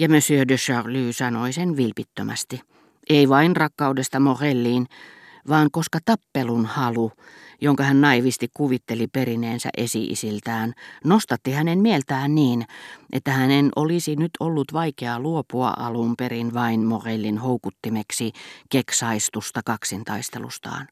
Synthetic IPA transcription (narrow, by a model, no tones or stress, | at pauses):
jɑmøsyødøʃɑʁlyːsɑnoisenʋilpit̪ːømʔæ̰st̪i | ʔeiʋɑinrɑkːɑudest̪ɑmorelːiːn | ʋɑːŋkoskɑt̪ɑpːelunhɑlujoŋkɑhænnɑiʋist̪ikkuʋit̪ːeliperineːnsæ̰ʔesḭʔḭsilt̪æːnnost̪ɑt̪ːihænemmielt̪æːnniːnʔḛt̪ːæhænenʔo̰lisinyt̪ʰolːut̪ʋɑikeɑluopuɑ̰ʔɑlumperinʋɑinmorelːinhoukut̪ːimeksikeksɑist̪ust̪ɑkɑksint̪ɑist̪elṵst̪ɑ̰ːn